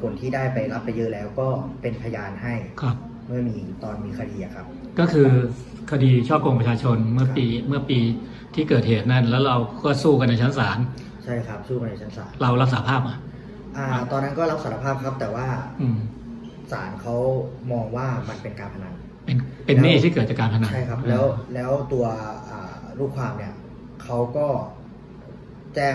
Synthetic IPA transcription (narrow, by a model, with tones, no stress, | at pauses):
pʰo˨˩˦nt̪ʰiː˥˩daː˥˩jpa˧jla˦˥pːa˧jɤ˦˥lɛː˦˥wkɔː˥˩pe˧npʰa˧jaː˧nha˥˩jkʰɾa˦˥p̚ | mɯ˥˩ɐmiː˧t̪ɔː˧nmiː˧kʰa˧diː˧ʔa˨˩kʰɾa˦˥p̚ | kɔː˥˩kʰɯː˧ | kʰa˧diː˧t͡ɕʰɔː˥˩p̚ko˧ŋpɾa˧t͡ɕʰaː˧t͡ɕʰo˧nmɯ˥˩ɐpiː˧mɯ˥˩ɐpiː˧ | t̪ʰiː˥˩kɤː˨˩heː˨˩t̪̚na˥˩nlɛː˦˥wɾa˧wkɔː˥˩suː˥˩k̬a˧nːa˧jt͡ɕʰa˦˥nsaː˩˦n | t͡ɕʰa˥˩jkʰɾa˦˥p̚suː˥˩ka˧nːa˧jt͡ɕʰa˦˥nsa̰ː˩˦nɾa˧wɾa˦˥p̚saː˨˦pʰaː˥˩p̚ʔa˨˧˩ | ʔaː˧˩t̪ɔː˧nːa˦˥nkɔː˥˩ɾa˦˥p̚sa˨˩˦ɾa˧pʰaː˥˩p̚kʰa˦˥p̚t̪ɛː˨˩waː˥˩ʔɯː˧m | sa̰ː˩˦nkʰa˦˥wmɔː˧ŋwaː˥˩ma˧npe˧nkaː˧npʰa˧na˧n | pe˧npe˧nːiː˥˩t̪ʰiː˥˩kɤː˨˩t̪̚t͡ɕaː˨˩kaː˧npʰa˧na˧na˥˩jkʰa˦˥p̚ɛː˦˥wlɛː˦˥wt̪u˧ɐʔaː˨˩ | ɾuː˥˩kʰwaː˧mni˥˩ɐ | kʰa˦˥wkɔː˥˩ | t͡ɕɛː˥˩